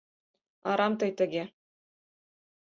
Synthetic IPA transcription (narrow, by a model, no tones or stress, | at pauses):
ɑ̰ɾɑmt̪ɤ̆jt̪ɘ̆ɡʲe